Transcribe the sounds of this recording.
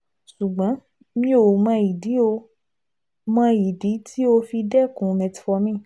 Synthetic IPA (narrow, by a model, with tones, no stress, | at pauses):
ʃu˨ɡ͡bã˨˦ | mĩ˦o˨˦mã˧i˨di˨˦o˧ | mã˧i˨di˨˦tʰi˦o˧fi˧dɛ˦˨kũ˨mɛ̃˧ti̥˨fɔ˧mĩ˦˨